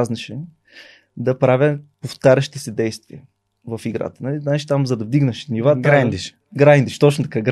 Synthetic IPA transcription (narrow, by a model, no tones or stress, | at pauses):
znɐʃɛ | d̪ɐpɾavʲəpoft̪aɾʲəʃi̥t̪ɛsɛd̪ɛjst̪viə | vɐfiɡɾa̰t̪ə̥nɐlinat͡ʃi̥t̪amzɐd̪ɐvd̪iɡnɐʃnivaand̪iʃ | ɡɾajnd̪iʃt̪ot͡ʃnot̪ɐkaɡɾ